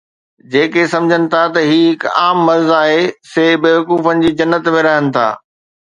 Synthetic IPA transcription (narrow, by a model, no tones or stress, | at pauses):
d͡ʑeːkesɐ̃md͡ʑʱənɪ̆t̪ʰat̪ɐɦiːɦɪka̰ːmːɐɾzaːɦeseːbeːʋɐkuːfənɪ̆d͡ʑiːd͡ʑɐnːət̪mẽɾɐɦənɪ̆t̪ʰa̰ː